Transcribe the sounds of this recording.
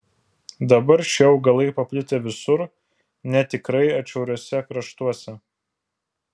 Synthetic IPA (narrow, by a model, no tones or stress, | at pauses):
d̪ɐbɐɾʃʲɛʊɡɐlˠɐɪpɐpʲlʲɪt̪ʲeːʋʲɪsʊɾ | nʲɛt̪ʲɪkɾɐɪɐt͡ʃʲɛʊɾʲoɔsʲɛkɾɐʃt̪uɔsʲɛ